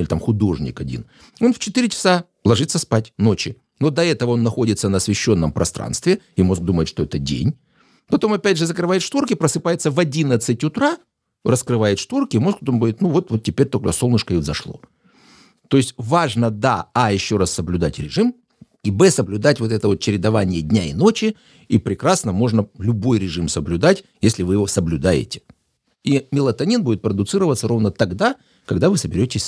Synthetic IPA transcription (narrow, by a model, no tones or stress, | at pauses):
ɪlʲɪt̪amxʊd̪o̞ʐnʲɪ̰kɐdʲḭn | o̞nft͡ɕɪt̪iɾʲɪt͡ɕɪ̥sa | lˠɐʐɨt̪səspatʲno̞t͡ɕɪ | no̞d̪ɐɛt̪əvəo̞nːɐxo̞dʲɪt̪sənɐsvʲɪɕːo̞nːəmpɾʔɐ̰st̪ɾa̰nst̪vʲɪimo̞sɡ̚d̪uməjɪt̪ʂt̪o̞ɛt̪ədʲḛnʲ | pɐt̪o̞mɐpʲædʲʐɨzəkɾɨvajɪt̪ʂt̪vurkʲɪpɾəsɨpajɪt̪sːəvɐdʲinət̪sɨtʲʊt̪ɾa | rəskɾɨvajɪt̪ʂt̪urkʲɪmo̞skd̪uməjɪt̪nuvo̞t̪vo̞t̪̚tʲːɪpʲeɾʲt̪okso̞lˠnəɪʂkəixzɐʂlˠo̞̰ | t̪o̞ɪsʲtʲvaʐnəd̪a̰ːjɪɕːo̞ɾassəblʲʊd̪atʲɾʲɪʐɨm | ibɛsəblʲʊd̪atʲvo̞t̪ɛt̪əvo̞t̪̚t͡ɕɪɾʲɪd̪ɐvanʲɪjədʲnʲaɪ̰no̞t͡ɕɪ | ipɾʲɪkɾasnəmo̞ʐnəlʲʊbo̞jɾʲɪʐɨmsəblʲʉd̪atʲjesʲlʲɪvɨjɪvo̞səblʲʊd̪ajɪ̰tʲɪ̥ | imʲɪlˠət̪ɐnʲinbudʲɪt̪̚pɾəd̪ʊt̪sɨɾəvət̪səɾo̞vnət̪ɐɡd̪a | kɐɡd̪avɨsəbʲɪɾʲotʲɪsʲ